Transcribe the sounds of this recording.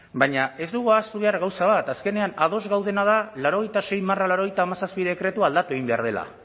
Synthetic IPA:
baɲae̞zd̪uɣ̞uast̪uβe̞aɾɣawsaβ̞at̪aske̞ne̞anað̞o̞zɣawðe̞nað̞alaɾo̞ɣ̞e̞jt̪ase̞jmaralaɾo̞ɣ̞ejt̪aːmasaspiðe̞kɾe̞t̪uald̪at̪ue̞ɣimbe̞a̰ɾð̞e̞la̰

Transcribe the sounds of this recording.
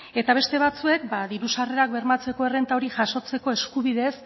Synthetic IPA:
e̞t̪aβ̞e̞st̪e̞βat͡sue̞k̚baðiɾusare̞ɾakbe̞ɾmat͡se̞ko̞ere̞nt̪aoɾiʝaʃo̞t͡se̞ko̞e̞skuβ̞iðe̞s

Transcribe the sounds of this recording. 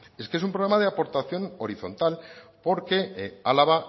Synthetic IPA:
e̞skeesumpɾoɾamað̞eapo̞ɾt̪aθjo̞no̞ɾiθo̞̰nt̪alpo̞ɾke̞alaβa

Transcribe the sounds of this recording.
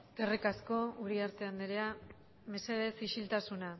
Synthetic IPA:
ɡerikasko̞uɾiaɾt̪e̞and̪eɾea | me̞se̞ðe̞siʃilt̪asuna

